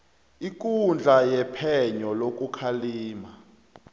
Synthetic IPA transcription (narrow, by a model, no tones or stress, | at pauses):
ik̬ʼund͡ɮʱajɛpʰɛɲɔlok̬ʼukʰaliːma